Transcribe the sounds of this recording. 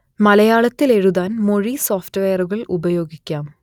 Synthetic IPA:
mɐlɐjaːɭɐt̪ːile̞ɻuðaːnmo̞ɻiso̞ːftʋeːɐruɣɐɭubɐjo̞ːɡikʲːaːm

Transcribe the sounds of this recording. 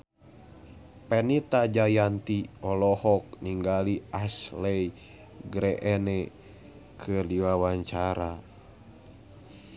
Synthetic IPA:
pɛnit̪ad͡ʒajant̪iɔlɔhɔk̚niŋɡaliʔaslɛj | ɡɾɛʔɛnɛ | kʰɨliwawaɲt͡ʃaɾa

